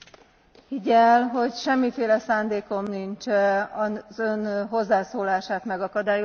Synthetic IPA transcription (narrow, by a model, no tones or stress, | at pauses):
hiɟɛlɦo̞ɟʃɛmːifeːlɛsaːnd̪eːko̞mnint͡ʃɛɒzønɦo̞zːaːsoːlaːʃaːt̪mɛɡɒkɒd̪aːjo